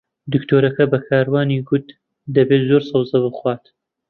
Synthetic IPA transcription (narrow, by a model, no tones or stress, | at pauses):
d̪ɨkt̪ʰoːɾɐkɐbɐkʰaːɾwaːniːɡʊt̪ | d̪ɐbeːt̪zoɾsɐwzɐbɨχwaːt̪